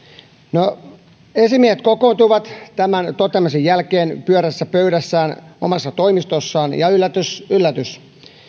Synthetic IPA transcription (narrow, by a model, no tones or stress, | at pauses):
no | esimieset̪kokoːˑnt̪uʋɑt̪t̪æmænt̪ot̪emːɑs̬ejjælkeːnpyøɾæsːæpøyɾæsːæːno̰mɑsːɑt̪o̞imist̪osːɑːnjɑylːæt̪ysylːæt̪ys